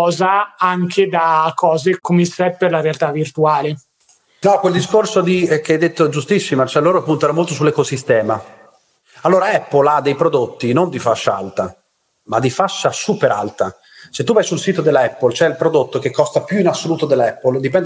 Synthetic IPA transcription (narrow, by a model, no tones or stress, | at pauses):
ɔːzaaŋkʰed̪akːɔːzekomesɛt̪̚perlaɾealt̪avːirt̪uaːle | nɔkweld̪iskorsod̪ikeajd̪ːet̪ːod͡ʒust̪isːimat͡ʃɛlːoːɾoapːunt̪oɛɾomolt̪osulːekosist̪ɛːma | alːoːɾaɛpːolad̪ːejpɾod̪ot̪ːinond̪ifaʃːaa̰lt̪a | mad̪ifaʃːasuːpeɾa̰lt̪a | set̪ːuvajsulsiːt̪od̪elɛpːolt͡ʃoɛilpɾod̪ot̪ːokekːɔst̪apjuinasːoluːt̪od̪elːɛpːold̪ipɛnd